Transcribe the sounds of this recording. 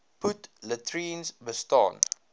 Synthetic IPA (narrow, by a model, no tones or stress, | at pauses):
putlətɹiːnsbəstɑ̰ːn